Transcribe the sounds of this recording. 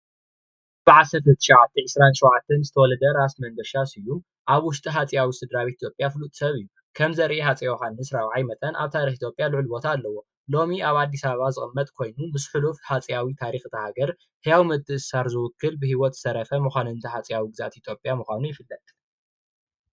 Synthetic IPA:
b̥ɨʕasɐɾt̪ʰɨt̪ʰːɨ̥ʃɐʕat̪ʰːiʕɨsɾanʃɔwʕat̪ʰːɐnzɨt̪ʰɐwɔlɐd̪ɐɾasmɐŋɡ̪ɐʃasɨjːu | ʔaβwʊʃt̪ʼiɦat͡sʼijawisɨd̪ɾaβit̪ʰjo̞pʼjafɨlut̪ʼsɐβɨjːu | kʰɐmzɐɾʔehat͡sʼijawhannɨsɾawʕajmɐt̪ʼɐnʔa̰βt̪ʰaɾixit̪ʰjopʼjalɨʕɨlbo̞t̪ʰaːlːɐwo̞ | lo̞miaβad̪ːisaβaβazɨxʼɨmːɐt̪ʼkʰo̞jnumɨsħulufħat͡sʼijawit̪ʰaɾixt̪ʰɐhaɡɐɾ | hɨjawimɨt̪ʼːɨʔɨsaɾzɨwʊkʰːɨlbɨhiwɔt̪zɨ̥sɐɾɐfɐmɨxʷanɨnt̪ʰɐħat͡sʼijawiɡɨza̰t̪it̪ʰjo̞pʼjamɨxʷanujɪfɨlːɐt̪ʼ

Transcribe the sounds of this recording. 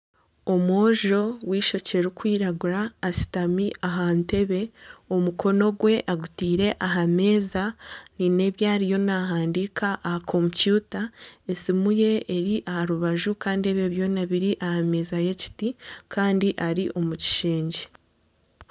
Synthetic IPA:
o̞mwoːʒo̞wiːʃo̞ce̞ɾukwiːɾaɡuɾaːsi̥tamiʔaɦaːnte̞βe̞o̞muko̞no̞ɡwe̞ʔaɡutiːɾe̞ʔaɦame̞ːzanine̞ːβjaːɾijo̞naːɦaːndikʰaʔːhakʰompjutaesimuje̞ːɾiʔahaɾuβaʒukaːndieβeβjo̞naβiɾiʔahame̞ːzaje̞ci̥tikʰaːndiʔaɾiʔo̞muci̥ʃiːɲɟe

